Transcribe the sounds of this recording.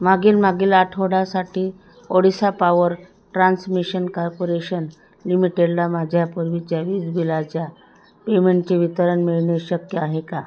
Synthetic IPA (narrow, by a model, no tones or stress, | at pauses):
maɡiːlmaɡiːlaʈʰoɽasaʈʰiː | oɽisapaʋəɾ | ʈɾansmiɕənkɔɾpoɾeɕən | limiʈeɖlamad͡ʑʱjapəɾʋit͡ɕjaʋiːd͡zbilat͡ɕja | pemeɳʈt͡ɕeʋit̪əɾəɳmiɭɳeɕəkjəaɦeka